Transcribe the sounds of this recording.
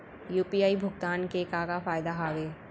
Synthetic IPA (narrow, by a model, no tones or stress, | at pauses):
juːpiaːibʱʊɡt̪aːnkekaːkafaːjd̪aɦaːɡeː